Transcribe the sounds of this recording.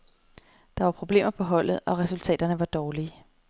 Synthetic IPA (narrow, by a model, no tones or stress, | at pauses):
d̥ɑ̈ʋɑ̈pʰʁo̝b̥le̝̰ːmɐpʰɒ̽ɦɒ̽l̰ð̞̩ˠɒ̽ʁɛsult͡sʰɛ̰ːd̥ɐnəʋɑ̈d̥ɒːliː